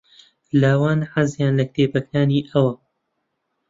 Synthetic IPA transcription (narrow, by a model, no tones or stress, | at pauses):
laːwaːnħazjaːnlɐk̚t̪ʰeːpɐkaːniːʔɐwɐ